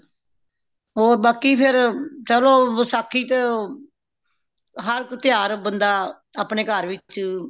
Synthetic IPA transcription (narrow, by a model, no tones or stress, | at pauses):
oːbaːkiːpʰɪɾt͡ʃəloːəsaːkʰːiːt̪e | ɦəɾkt̪ɪjaːɾbənd̪aː | aːpɳeːkəɾʋɪt͡ʃt͡ʃ